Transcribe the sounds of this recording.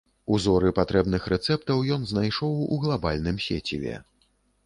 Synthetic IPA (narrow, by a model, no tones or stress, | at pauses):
uzɔɾɨpat̪ɾɛbnɨxɾɛt̪sɛp̚t̪ɐwjɔnznajʂɔwuɣlˠabalʲnɨmsʲet͡sʲḭvʲɛ̰